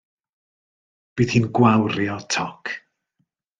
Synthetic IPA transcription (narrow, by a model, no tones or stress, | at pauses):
b̥iːðhiːnɡwawɾjɔtʰɔkʰ